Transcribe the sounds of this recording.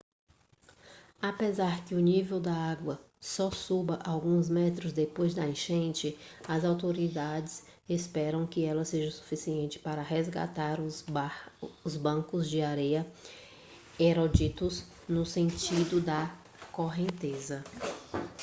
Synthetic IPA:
apezaɾkɪʊnivewd̪ɐaɡwɐ | sɔsubɐʔawɡũzmɛt̪ɾʊzd̪epojzd̪ɐẽʃẽnt͡ʃɪɐzawt̪oɾid̪ad͡ʒɪz | espɛɾɐ̃w̃kɪɛlɐseʒɐsu̥fisiẽnt͡ʃɪ̥paɾɐɦezɡa̰t̪aɾʊ | ʊzbɐ̃kʊzd͡ʒɪaɾɛjɐ | eɾod͡ʒit̪ʊz | nʊsẽnt͡ʃid̪ʊd̪ɐ | koɦẽnt̪ezɐ

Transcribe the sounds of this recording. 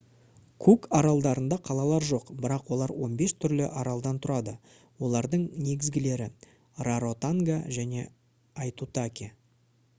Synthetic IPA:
kʰukɑɾɑlˠd̪ɑɾənd̪ɑqʰɑlˠɑlˠɑɾʒo̞qbɪɾɑqwo̞lˠɑɾwo̞nbe̞st̪ʰʏɾlɪʔɑɾɑlˠd̪ɑnt̪ʰʊɾɑd̪ə | wo̞lˠɑɾd̪əɴne̞ɡʲɪzɡʲɪle̞ɾɪ | raɾo̞t̪aŋɡaʒæne̞ | ɑjt̪ut̪akʲi

